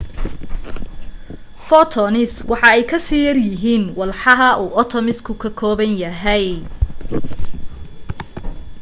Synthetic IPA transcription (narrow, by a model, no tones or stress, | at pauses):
fɔt̪ʰɔnɪswɑħɑɛjkʰɐsiːjɐrjɪɦiːnwɑlħɑɦɐʔuːʔɔt̪ʰɔmɪskʰʊkʰɐkʰɔːβɐnjɐɦɛj